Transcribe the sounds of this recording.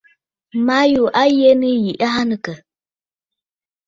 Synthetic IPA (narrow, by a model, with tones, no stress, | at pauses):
ma˦ju˨ʔa˦je˦nɨ˦ji˨ʔa˦ɦa˦nɨ˨kə˨